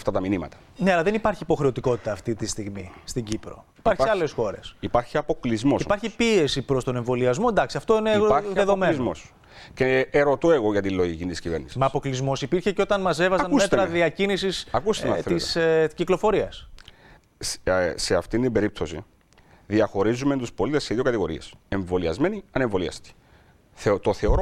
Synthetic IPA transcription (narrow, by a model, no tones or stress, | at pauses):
ft̪ɐt̪ɐminimɐ̰t̪ɐ̥ | ne̞ɐlɐðe̞nipɐɾçiːpo̞xɾe̞o̞t̪iko̞t̪i̥t̪ɐːft̪it̪ist̪iɣmḭst̪iɟipɾo̞̰i̥pɐɾçiɐlesxo̞ɾe̞̰sipɐɾçiɐpo̞klizmosipɐɾçipie̞sipɾo̞st̪o̞ne̞ɱvo̞liɐzmo̞end̪ɐksiɐft̪o̞ineðeðomezmo̞s | ceeɾo̞t̪oe̞ɣo̞ʝɐt̪iloʝicint̪isciveɾnisimɐːpo̞klizmo̞sipiɾçe̞ceot̪ɐnmɐs̬e̞vɐzɐnuset̪ɾɐðiɐcinisisɐkust̪enθeitsciklo̞fo̞ɾiɐs | se̞ɐft̪ind̪imbe̞ɾip̚t̪o̞sḭ | ðiɐxo̞ɾizument̪uspo̞lit̪esːeðio̞kɐt̪iɣo̞ɾḭe̞̰se̞ɱvo̞liɐ̰zme̞niɐneɱvo̞liɐ̰st̪i̥ | θet̪o̞θe̞oɾo